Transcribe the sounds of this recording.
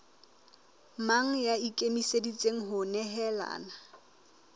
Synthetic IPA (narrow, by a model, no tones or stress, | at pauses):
maŋ̩jaikʼemisedit͡sʼeŋ̩ɦʊnɛɦɛla̰ːna